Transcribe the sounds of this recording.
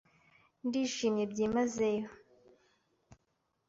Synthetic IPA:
ndiːʃiːmjebɟiːmazejo

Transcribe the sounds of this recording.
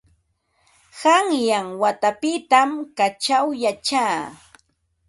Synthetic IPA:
haŋjaŋwat̪apɪt̪amkat͡ʃawjat͡ʃaː

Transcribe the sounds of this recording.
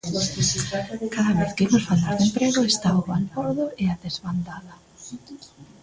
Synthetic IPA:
kaðɐβeθkimʊsfald̪aɾðempɾeɣʊest̪aʊβalfɔɾðʊeaðezβand̪aðɐ

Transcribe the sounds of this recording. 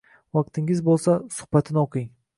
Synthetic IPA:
vɑq̚t̪ʰɪŋʲɪzbolˠsasʊ̥hbat̪ʰɪnɪoqʰɪŋ

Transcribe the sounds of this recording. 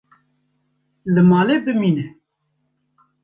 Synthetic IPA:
lɨmɑːlebɨmiːnɛ

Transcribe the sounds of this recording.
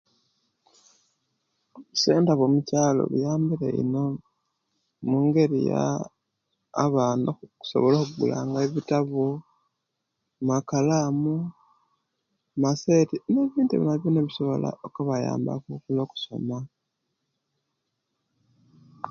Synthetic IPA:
u̥seːndaβomucaːlo̞̰βujaːmbiɾḛḭno̞ | muːŋɡe̞ɾḭja̰ | βanouku̥so̞̰βolokuɡṵla̰ːŋɡaeβitaβo | makalamu | mase̞ːtineβiːntuiβḭnaβjoneβiso̞βo̞la̰okuβaja̰ːmba̰kukulo̞ːku̥so̞̰ma

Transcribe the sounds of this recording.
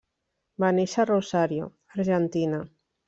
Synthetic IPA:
maniʃarosaɾjo̰ | aɾʒent̪ina

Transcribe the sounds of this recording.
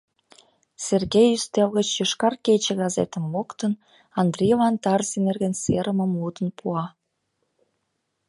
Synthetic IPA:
serɣejyst̪elɣət͡ɕjəʃkɑrket͡ɕĕɣɑzḛt̪ə̆mːokt̪ən | ɑnd̪rʲejlɑnt̪ɑrsinerɣə̆nseɾəmə̆mud̪ə̆npʰuɑ

